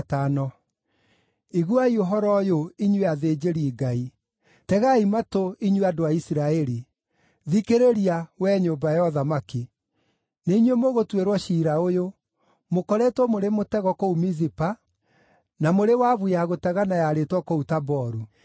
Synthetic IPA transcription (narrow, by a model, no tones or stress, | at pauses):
tanɔ | iɣwaioɦɔɾɔjoiɲweaðeːd͡ʒeɾiːɡai | tɛɣaimatoiɲweadoaisiɾaɛɾi | ðikeɾeɾiawɛɲoːbajɔðamaki | neiɲwemoɣotweɾwɔʃiːɾaojo | mokɔɾɛtwɔmoɾemotɛɣɔkoumizipa | namoɾewaβujaɣotɛɣanajaɾetwɔkoutabɔɾu